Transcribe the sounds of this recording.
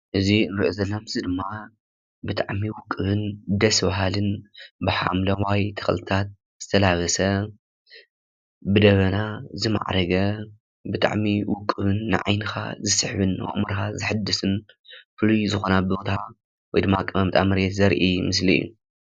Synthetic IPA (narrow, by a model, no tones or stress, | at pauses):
ʔɨzinɨɾiʔozɐlːomɨzɨd̪ɨmːa | bɨt̪ʰʼaʕmiwʊkʼːɨβɨnd̪ɐsbaɦalɨnbɨħa̰mlɐwajt̪ʰɐ̥xɐ̰lʰɨt̪ʰat̪̚ | zɨt̪ʰɐlaβɐsɐ | bɨd̪ɐβɐnazɨma̰ʕɾɐɡɐ | bɨt̪ʰʼa̰ʕmiwʊkʼːɨβɨnːɨ̰ʕa̰jnɨxa̰zɨsɨħβɨn̰ːʔʼmɨɾxazɨħɨd̪ːɨsɨn | fɨlujzɨxo̞nabot̪ʰa | wɔjd̪ɨmːakʼːɨmɐmɨt̪ʼamɐɾet̪zɐɾʔimɨs̬lḭṵ